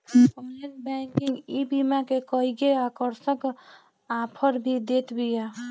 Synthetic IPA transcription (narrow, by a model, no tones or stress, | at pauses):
kɔneɾbɛkiŋɡibimakekəiɡeakəɾsək | apʰəɾbʱid̪et̪bija